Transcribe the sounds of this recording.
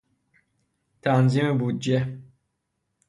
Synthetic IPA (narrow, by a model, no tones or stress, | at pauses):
t̪ʰanzimɨbud̚d͡ʒe